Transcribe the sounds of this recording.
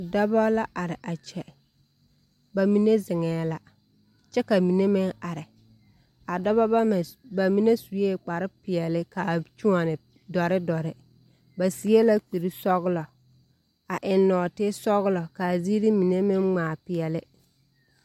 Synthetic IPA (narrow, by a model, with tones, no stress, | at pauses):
da˦bɔ˦la˦ʔa˨ɾɪ˨ʔa˨t͡ʃɛ˨ | ba˨mi˨ne˦zɪ˨ŋɛː˨˦la˦ | t͡ʃɛ˦ka˨mi˨ne˦mɪ˦ŋa˨ɾɪ˨ | a˨dɔ˦ba˦˨ba˨mi˦ne˦su˨jeː˦k͡pa˨ɾɪ˦pɪ˨ɛ˨lɪ˦kaː˨t͡ʃu˦ŋa˨nɪ˨ | dɔ˨ɾɪ˦dɔ˨ɾɪ˦ | ba˨si˨˦e˦la˦k͡pi˨ɾi˦sɔ˦ɣlɔ˨ | a˨ʔɪ˨nːɔː˨tɪ˦sɔ˦ɣʊ˦lɔ˨kaː˨zi˦ɾi˦mi˨ne˦mɪ˦ŋŋ͡maː˨pɪ˨ɛ˨lɪ˦